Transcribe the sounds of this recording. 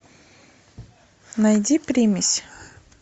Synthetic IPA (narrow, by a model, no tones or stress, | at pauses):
nɐjd̪ʲipʲɾʲimʲɪsʲ